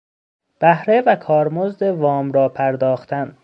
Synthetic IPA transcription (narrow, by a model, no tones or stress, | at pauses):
b̥æhɾevækʰɒːɾmozd̪e̞vɒːmɾɒːpʰæɾd̪ɒːxt̪ʰæn